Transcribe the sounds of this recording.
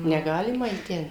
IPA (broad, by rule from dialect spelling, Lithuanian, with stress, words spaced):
nʲɛˈɡɑːlʲɪmɐ iː ˈtʲɛn